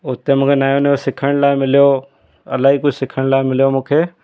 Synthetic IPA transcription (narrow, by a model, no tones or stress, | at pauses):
ʊt̪emũːkʰenaːjoneosɪkʰəɽ̃laːemɪljo | ɐ̰laːɦiːkʊd͡ʒʱsɪkʰəɽ̃laːɪmɪlijomũːkʰeː